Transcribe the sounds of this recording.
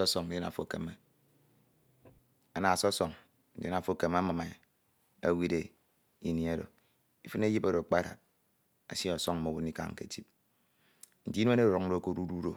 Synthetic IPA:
ɔ˦sɔ˨ŋ̩˨e˦na̰˨fo˦˨ke˨me˨ | a˨na˨sɔ˦sɔ˨ŋ | n̩˦de˦na˨fo˦˨ke˨m˦a˦ma˨ma˨ | a˦wi˦de˦ | i˦ni˦a˦do˨ | i˦fɨ˦ne˦ji˦pa˦ɾo˨k͡pa˦˨ɾa̰˨t̚ | a˨si˦ɔ˨sɔ˦ŋ̩˦mo˨wu˦ni˦ka̰˨ŋ̩˨kḛ˨ti˦p̚ | n̩˨di˦e˦e˦ɾu˨ɾo˨k̚n̩˦do˦˨ko˦ɾu˦ɾu˦ɾo˨

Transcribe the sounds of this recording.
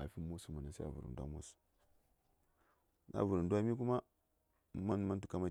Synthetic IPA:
a˨fi˦mu˦su˨˦mu˨na˨sa˦a̰˨vṵ˨ɾṵ˨n˨dwa̰˦mṵ˦su̥˨ | na̰˦˨vu˨ɾu˨ndwa˦mi˦k̬u˦ma˦ | ma˦n˦ma˦n˦tu̥˨ka˦ma˦

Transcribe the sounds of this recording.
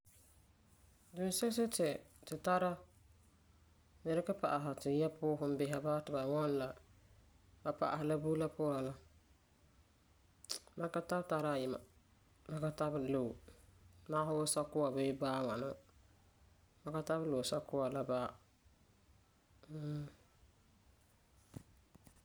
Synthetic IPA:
du˨n˦sɛ˦sɪ˦tɛ˨tɪ˨ta˦ɾa˦ | nɛ˦ɾɪ˦kɪ˦pa˨ʔa˨ɦa˨tɪ˨ja˦pʊː˦ɦʊ˨m˦bɪ˦ɦa˨baː˦tɪ˨ba˨wɔ˦n˦la˨ | ba˨pa̰˨ʔa̰˨hɪ˨la˦buː˦la˦pʊ˦ɾa˨la˦ | ma˦ka˦ta˦bta˦ɾa˦˨jɪ˨ma̰˨ | ma˨˦ka˦ta˦blo˨maː˦ɦʊ˦wʊ˦sa˦kʊ˦a˨be˦baː˦ŋa˨nʊ˦ | ba˨ka˦ta˦βlo˨sa˦kʊ˦wa˨la˦baː˦˨

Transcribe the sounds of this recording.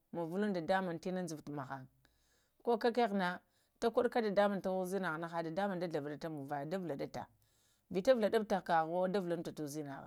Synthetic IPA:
ma˨vu˦lu˦nda˨da˦ma˨nti˦na˦n˦zu˨tma˨xa˨ŋ | ko˦ka˦ke˦na˦ | ta˦ku˦ɗka˦da˨da˦ma˨nta˦wu˦zi˦na˨ɣna˦xa˨da˨da˦ma˨nda˦ɮa˨va˨da˨ta˦mu˨va˨da˦vla˨da˦ta̰˨ | vi˨ta˦vla˨da˦b̚ta˨ka˨ɣo˦da˦vla˦n˦ta˨tu˦˨zi˦na̰˨ɣa̰˨

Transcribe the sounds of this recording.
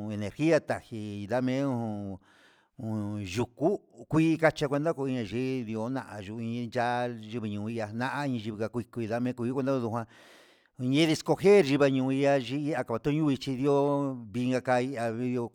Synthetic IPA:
e˧nẽ˨ɾxi˦a˧t̪a˨hi˧ða˦mẽ˦ũ˧ũ˧ | ũ˨˧ʒu˨ku˦kʷiː˦ka˦t͡ʃa˧kʷe˧nd̪a˦ko˧i˧ɲã˧˨ʒi˦ði˧o˧˦nã̰˧ʔa˧ʒu˧ĩ˧nd͡ʒa˦ʒi˧βi˧ɲũ˨˧i˧ʔa˧nã˦ʔa˦i˧ĩ˧ʒi˧βi˧ka˧kʷi˧ku˧i˧ða˦mẽ˦kʷu˧˦kʷe˧nd̪a˦˧ðu˧ɦʷwã˧ | ɲẽ˦ði˧sko˧he˦˨ɾʒi˧βa˧ɲũ˧i˧a˧ʒi˧˦i˦a˧ka˨a˨˧t̪õ˦ɲũ˦i˧t͡ʃi˧ði˧˦o˦βi˧ŋɡa˧ka˧i˧ʔa˧i˧jo˧

